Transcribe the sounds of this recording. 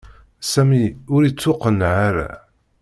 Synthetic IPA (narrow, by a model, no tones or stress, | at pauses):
sæmiʊɾit͡sːʊqənʕaɾa̰